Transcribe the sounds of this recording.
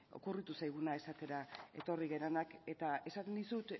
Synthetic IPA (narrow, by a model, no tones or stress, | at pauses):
o̞̰kurit̪usajɣ̞unae̞sat̪e̞ɾae̞̰t̪o̞riɣe̞ɾonake̞t̪ae̞sat̪end̪isut̪